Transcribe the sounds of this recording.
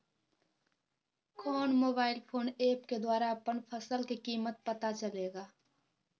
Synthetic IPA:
kʰɔːnmoːbaːɪlpʰoːneːpked̪waːɾaɐpənpʰəsəlkikiːmət̪̚pət̪at͡ʃəleːɡaː

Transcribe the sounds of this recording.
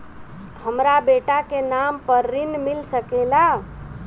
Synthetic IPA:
həmɾabeʈakenampəɾːinmilsəkela

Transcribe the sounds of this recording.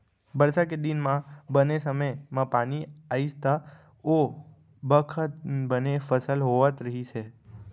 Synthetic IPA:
bəɾsaked̪inmãbənesəməjmãpaniaid͡ʒt̪a | o | bəkʰət̪̚bənefəsəlɦoʋat̪ɾəɦit͡ʃʰe

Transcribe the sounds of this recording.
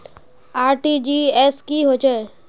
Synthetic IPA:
aːɾʈid͡ʒieːskiɦot͡ʃe

